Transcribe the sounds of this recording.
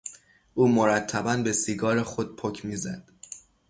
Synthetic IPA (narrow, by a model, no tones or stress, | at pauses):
ʔuːmo̞ɾæt̪ʰːæbænbe̞siɡɒːɾexod̪̥̚pʰocʰmiːzæ̰d̪̥